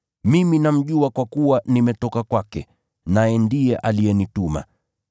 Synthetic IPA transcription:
miminam̩ʄuakwakuwanimɛtɔkakwakɛ | najɛndijɛʔalijɛnituma̰

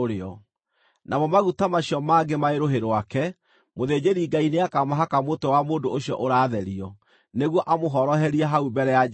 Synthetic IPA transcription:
ɾeɔ | nʔamɔmaɣutamaɕijɔmaːɡemaeɾoɦeɾwakɛ | moðed͡ʑeɾiɡaineakamaɦakamotɔwamoːndooɕjɔʔoɾaːðɛɾiɔ | neɣwɔʔamoɦɔɾɔɦɛɾiaɦaubɛɾɛja

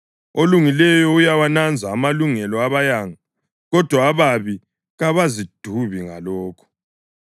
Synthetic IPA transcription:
oluŋilɛjɔujawanand͡zʱaːmaluŋɛlɔaβajaŋa | ɣɔd̥ʱwaːβaβi | ɣaβazid̥ʱuβiŋalɔːkʰɔ̥

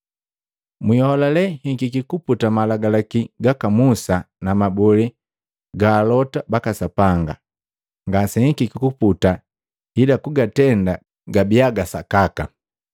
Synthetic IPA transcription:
miɔɔlalɛhiŋkikikuputamalaɡalakiɡakamusa | namabɔli | ɡaːlɔtabakasapaŋɡa | ŋɡasɛhiŋkikikuputa | hidakuɡatɛnda | ɡabiaɡasakaka

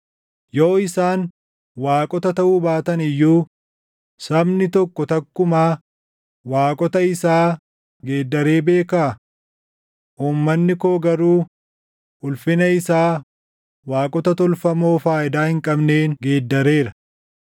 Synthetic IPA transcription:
joːɪsaːn | waːkʼɔt̪ɐt̪ɐʔuːbaːt̪ɐnɪjːuː | sɐbnɪt̪ɔkːɔt̪ɐkːʊmaː | waːkʼɔt̪ɐɪsaː | ɡe̞ːd̪ːɐɾe̞ːbe̞ːkaː | ʔuːmːɐnːɪkoːɡɐɾuː | ʔʊlfɪnɐɪsaː | waːkʼɔt̪ɐt̪ɔlfɐmo̞ːfaːʔɪd̪aːhɪŋkʼɐbne̞ːnɡe̞ːd̪ːɐɾe̞ːɾɐ

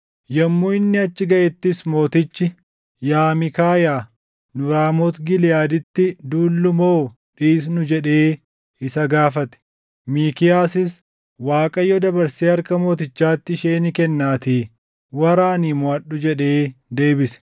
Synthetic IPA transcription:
jɐmːuːɪnːɪɐt͡ʃːɪɡɐʔɛt̪ːɪsmo̞ːt̪ɪt͡ʃːɪ | jaːmɪkaːjaː | nʊɾaːmɔt̪ɡɪlɪjaːd̪ɪt̪ːɪd̪uːlːʊmoː | ᶑiːs̬nʊd͡ʒɛᶑe̞ː | ɪsɐɡaːfɐt̪ɛ̥ | miːkɪjaːsɪs | waːkʼɐjɔd̪ɐbɐɾseːɐɾkɐmo̞ːt̪ɪt͡ʃːaːt̪ːɪɪʃeːnɪkɛnːaːt̪iː | wɐɾaːniːmʊɐɗːʊd͡ʒɛᶑe̞ːd̪e̞ːbɪsɛ̥

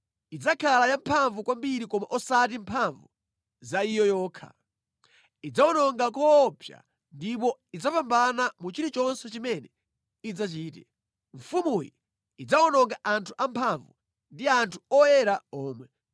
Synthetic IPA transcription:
id͡zakʰalajampʰaɱvukwambiɾikɔmaʔɔsat̬impʰaɱvu | zaijɔjɔːkʰa̰ | id͡zaɔnɔŋɡakɔːpʰja̰ | ndip̬ɔid͡zapambanamut͡ʃiɾit͡ʃɔnsɛt͡ʃimɛnɛ | id͡zat͡ʃiːtɛ | ɱfumujḭ | id͡zaɔnɔŋɡaʔantʰuʔampʰaɱvu | ndiantʰu̥ɔjɛɾaɔːmwɛ

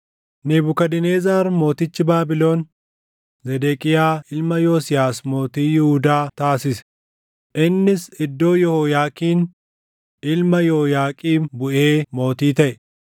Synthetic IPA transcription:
nɪbʊkɐd̪ɪneːzaːɾmo̞ːt̪ɪt͡ʃːɪbaːbɪlo̞ːn | zɛd̪eːkʼɪjaːɪlmɐjoːsɪjaːsmo̞ːt̪iːjɪhʊd̪aːt̪aːsɪsɛ̥ | ʔɪnːɪsɪd̪ːo̞ːjɔhojaːkiːn | ɪlmɐjoːjaːkʼiːbʊʔeːmo̞ːt̪iːt̪ɐʔɛ

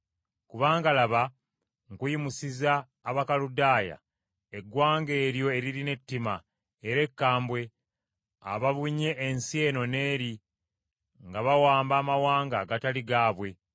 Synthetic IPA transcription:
kuβaːŋɡalaβa | ŋkujimusizaː | βakaludaːja̰ | eɡwaːŋɡe̞ːɾjo̞e̞ɾiɾine̞tːima | eɾe̞kːaːmbwe̞ | a̰βaβuɲe̞ʔːnsje̞ːno̞ne̞ːɾi | ŋɡaβawaːmbaːmawaːŋɡaːɡataliɡaːβwe̞

